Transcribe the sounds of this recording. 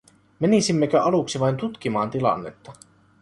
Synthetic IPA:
menisimːek̟øʔɑluksiʋɑjnt̪ut̪k̟imɑːnt̪ilɑ̰nːḛt̪ːɑ

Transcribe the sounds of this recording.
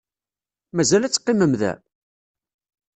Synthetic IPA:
mæzælæt͡sːqːiməmðæ̰

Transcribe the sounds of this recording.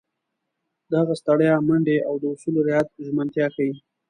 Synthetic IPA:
d̪aɣast̪aɽjɑmaɳɖeawd̪əʊsuloɾɪjat̪̚ʒmant̪jɑxawi

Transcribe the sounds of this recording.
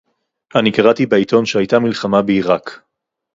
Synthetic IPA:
ʔanikaʁatibeit̪o̞nʃeajt̪amilχamabeiʁak

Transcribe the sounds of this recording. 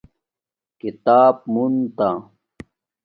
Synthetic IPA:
kit̪aːb̚munt̪a

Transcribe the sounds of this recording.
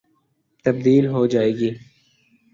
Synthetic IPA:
t̪ɐb̚d̪iːlɦod͡ʒaːeːɡiː

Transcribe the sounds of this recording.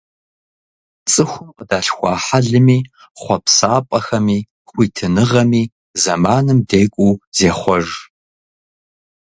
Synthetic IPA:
t͡sʼɨxʷʊmqədaːɬxʷɑːħaɮɨmiː | χʷɔpsaːpʼɐxɐmiː | χʷiːtʰɨnɨʁɐmiː | zɐmaːnɨmdeːkʷʼuːz̥eːχʷɔʒ

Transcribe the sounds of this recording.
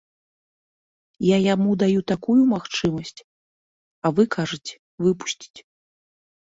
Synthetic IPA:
jajamud̪ajut̪akujumaxt͡ʂɨmɐsʲt͡sʲ | ɐvɨkaʐɐt͡sʲɛ̥ | vɨpu̥sʲt͡sʲi̥t͡sʲ

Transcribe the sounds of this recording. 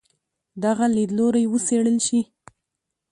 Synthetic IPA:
d̪aɣaled̪loɾajwəseɽəlʃi

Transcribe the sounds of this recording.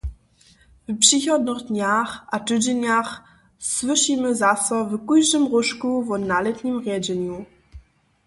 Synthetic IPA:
vpʂixɔd̪nɘɣd̪ɲaxʔatɘd͡ʑɛɲax | swɘʂimɘzasɔvkujʂɘmɾuʂkuvɔnalɛt̪ɲimʁʲjɛd͡ʑɛɲu

